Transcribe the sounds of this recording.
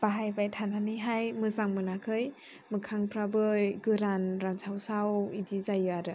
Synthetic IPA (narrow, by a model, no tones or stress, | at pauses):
b̥aɦajbajtʰananiɦajmɯzaŋmɯnakʰɯj | mɯkʰaŋpʰɾabɯjɡɯɾanɾansʰawsawidizajɯaɾɯ